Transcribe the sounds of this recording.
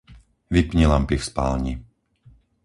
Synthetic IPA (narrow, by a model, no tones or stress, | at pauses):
ʋipɲɛlampifspa̰lɲi